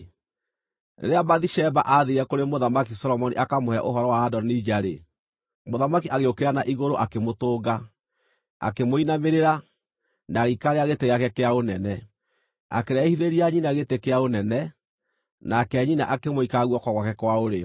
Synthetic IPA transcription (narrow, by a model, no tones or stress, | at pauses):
nḛɾeabaðiʃɛbaʔaðeɾɛkoɾemoðamakisɔɾɔmɔnḭʔakamohɛʔoɦɔɾɔwaːdɔnid͡ʒaɾe | moðamakiʔaɣeokeɾanaʔiɣoɾoʔakemotoːɡa | a̰kemoinameɾeɾa | naɣikaɾeaɣeteɣeakɛkeaonɛnɛ | a̰keɾaehiðeɾiaɲinaɣetekeaonɛnɛ | nakɛɲina̰ʔakemoikaɣwɔkwaɣwakɛkwaoɾeɔ